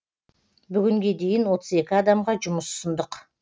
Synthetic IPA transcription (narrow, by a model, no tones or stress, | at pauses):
bʏɡʲɪŋɡʲe̞d̪e̞jɪnwo̞t̪ʰəze̞kʲɪɑd̪ɑmʁɑʒʊməsʊ̥sʊnd̪əq